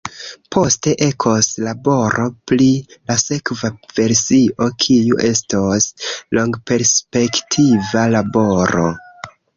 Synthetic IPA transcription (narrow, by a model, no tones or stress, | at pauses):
pʰo̞ste̞ʔe̞kʰoslabo̞ɾo̞plilase̞kvav̥e̞ɾsiʔo̞kʰijuʔe̞stosloŋɡpe̞ɾspe̞ktʰivalabo̞ɾo̞̰